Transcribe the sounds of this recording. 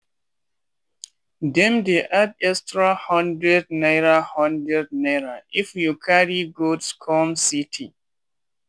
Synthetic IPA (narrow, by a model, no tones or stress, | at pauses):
dɛ̃mdeʔadɛstɹahɔ̃ndɹɛd̚naɪɹahɔ̃ndɹɛd̚naɹaʔifjukʰaɹiɡotskʰɔmsitʰi